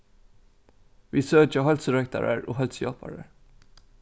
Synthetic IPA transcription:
ʋiːsøːd͡ʒɑhɑlt̪sɾœk̚t̪ɑ̰ɹə̰ɹo̰ːhɑlt̪sjɑːpɑ̰ɹəɹ

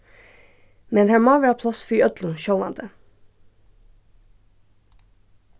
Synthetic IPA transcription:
mɛnhæɹmɑːʋɪhɑːpʰlɑsfiːœd̪lʊʃɔlɑ̰nd̪ə

